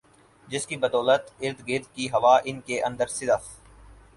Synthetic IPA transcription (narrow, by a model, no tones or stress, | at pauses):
d͡ʒɪskibəd̪ɔːlət̪ɪɾd̪ɡɪɾd̪̚kiɦɐʋaːʔɪnkeʔə̃nd̪əɾsɪd̪əf